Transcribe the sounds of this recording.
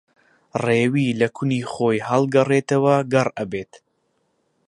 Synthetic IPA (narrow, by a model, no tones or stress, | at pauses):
reːwiːlɐkʰʊniːχojhɐlˠɡɐret̪ɐwɐɡɐrɐbeːt̪